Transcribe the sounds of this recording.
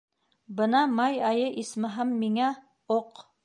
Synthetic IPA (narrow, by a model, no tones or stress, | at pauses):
bɤnɑmɑjɑjɤʔismɘɦæmːiŋæ | oq